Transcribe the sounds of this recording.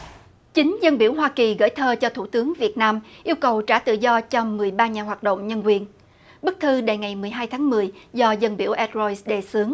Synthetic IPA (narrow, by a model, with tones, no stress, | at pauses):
t͡ɕï˨˦ŋ̟zə˧nɓḭ˧˩əwɦwaː˧ki˨˩ɣə̰˧˥jt̪ʰəː˧t͡ɕɔ˧t̪ʰṵ˧˩t̪ɨ˨˦əŋvi˨˩ət̚naː˧mʔi˧əwkə˨˩wt͡ɕaː˧˩t̪ɨ̰˧˨zɔ˧t͡ɕɔ˧mɨ˨˩əjɓaː˧ɲaː˨˩ɦwaː˨˩t̚ɗo̰˧˨ŋ͡mɲə˧nkwi˨˩ən | ɓɨ˦˥k̚t̪ʰɨ˧ɗa˨˩jŋa˨˩jmɨ˨˩əjɦaː˧jt̪ʰaː˨˦ŋmɨ˨˩əjzɔ˧zə˧nɓi˧˩əwʔɛ˦˥t̚zɔ˧jsɗe˨˩sɨ˨˦əŋ